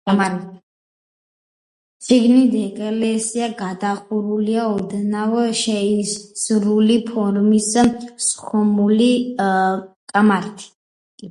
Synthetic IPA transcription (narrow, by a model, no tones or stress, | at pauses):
ʃiɡnid̪ɛkʼlɛsiaɡad̪aχuɾuliaɔd̪ɛnavɛʃɛisɾulipʰɔɾmissχɔmuli | kʼamaɾt̪ʰi̥